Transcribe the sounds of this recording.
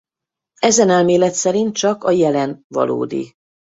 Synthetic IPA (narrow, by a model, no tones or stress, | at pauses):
ɛzɛnɛlmeːlɛt̪sɛɾint̪̚t͡ʃɒkɒjɛlɛnvɒ̰lo̰ːd̪ḭ